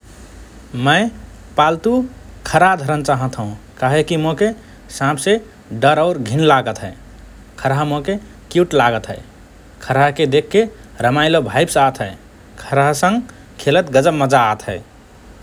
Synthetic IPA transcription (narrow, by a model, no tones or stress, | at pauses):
məɪ | palt̪ukʰəɾaɦd̪ʱəɾənt͡ʃaɦə̃t̪ʰɦũkaɦekimoke | sãpʰse | ɖəɾaʊɾɡʱinlaɡət̪ɦə | kʰəɾaɦmoke | kjuʈlaɡət̪ɦə̰ɪ | kʰəɾaɦked̪ekʰːeɾəmaɪlobʱajbsat̪ɦəɪ | kʰəɾaɦsə̃ŋɡ | kʰelət̪ɡəd͡ʒəbməd͡ʒaːt̪ɦəɪ